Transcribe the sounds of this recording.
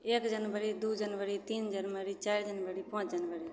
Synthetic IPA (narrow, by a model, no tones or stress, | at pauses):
ekd͡ʒənbəɾid̪ud͡ʒənʋəɾit̪iːnd͡ʒənməɾit͡ʃajɾd͡ʒənbəɾipə̃t͡ʃd͡ʒənbəɾi